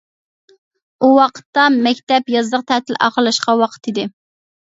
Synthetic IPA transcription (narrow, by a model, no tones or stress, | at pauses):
uwɑqʰə̥t̪ːɑmɛkʲt̪ɛpjɑzlˠəqt̪ʰæt̪ʰɪlʔɑ̰χlˠɑʃqɑwɑqʰə̥t̪ʰid̪ɪ